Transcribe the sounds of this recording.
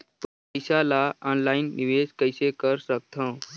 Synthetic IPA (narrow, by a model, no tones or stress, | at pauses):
p | əsalaɔnlainːiʋeskəjsekəɾsək̚t̪ʰə̃